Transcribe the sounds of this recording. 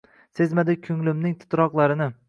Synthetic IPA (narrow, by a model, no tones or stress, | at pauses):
se̞zmad̪ɪkʲʰʊŋlɪmnɪŋt̪ʰɪ̥t̪ɾɒqlˠaɾɪnɪ